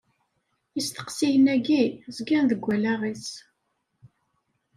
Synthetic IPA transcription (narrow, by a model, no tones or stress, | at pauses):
jist̪ə̥qsiʝənæɡizɡænðəɡʷːælæʁis